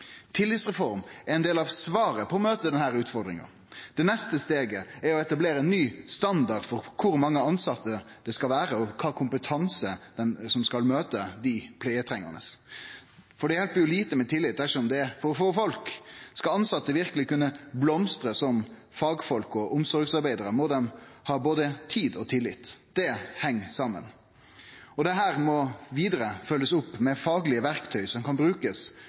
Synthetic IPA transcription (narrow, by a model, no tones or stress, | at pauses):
t̪ʰɪlːɪt̪sʁɛfɔɾmɛɾɛnd̪eːlɑʋsʋɑːɾəpʰɔɔmøːt̪əd̪ɛnhæːɾʉːt̪fɔɾd̪ɾɪ̰ŋɑ̰n | d̪̥ɛnɛst̪əst̪eːɡəæɾɔɛt̪ɑbleːɾəɛnːyːst̪ɑnd̪ɑɾd̪fɔɾkʰʊɾmɑŋːəɑnsɑt̪ʰːəd̪̥ɛskɑlʋæːɾəɔkʰɑːkʰʊmpət̪ʰɑnsəd̪̥ɛnsɔmskɑlmøːt̪əd̪ɪpʰleːət̪ʰɾɛŋːə̰ʁnə̰s | fɔɖɛhɛlbjʊliːt̪əmɛt̪ʰɪlːɪt̪̚ːd̪æʂɔɔmd̪ɛfɔɾfɔɾfɔlkskɑɑnsɑt̪ːəʋɪɾkəlɪkʉnːəblɔmst̪ɾəsɔm | fɑːɡfɔlkɔʔʊmsɔɾɡsɑɾbæɪd̪əɾəmɔd̪ɛmhɑːboːd̪ət̪ʰiːd̪ɔt̪ʰɪlːɪ̰t̪ːd̪̥ɛhɛŋːsɑmːə̰n | ɔd̪ɛɦæːɾmɔʋiːd̪əɾəfœlːəsʊpːmɛfɑːɡəlɪəʋæɾkt̪ʰœʏsɔmkɑnbɾʉːkəs